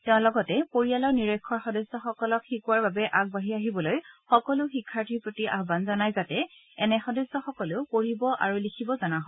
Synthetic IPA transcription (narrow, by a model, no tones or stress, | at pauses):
tɛʊ̃lɔɡɔtɛpoɹijalɔɹniɹekʰːɔɹxɔdɔsːɔxɔkɔlɔkxikuwaɹbabɛʔak̚baɦiaɦibɔlojxɔkɔlʊxikʰːaɹtʰiɹpɹotiʔa̰ɦbanzɔnajzatɛ | ɛnɛxɔdɔsːɔxɔkɔlʊkoɹibɔʔa̰ɹulikʰibɔzanaɦɔ